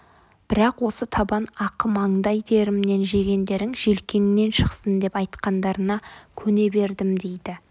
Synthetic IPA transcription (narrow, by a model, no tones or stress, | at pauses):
b̥ɪɾɑqwo̞sət̪ʰɑbɑnɑqəmɑɴd̪ɑjt̪ʰe̞ɾɪmne̞nʒe̞ɡʲe̞nd̪e̞ɾɪŋʒelkʲe̞nɪne̞nʃəqsənd̪e̞pɑjt̪qɑnd̪ɑɾənɑkʲʰɵne̞be̞ɾd̪ɪmd̪e̞jd̪ɪ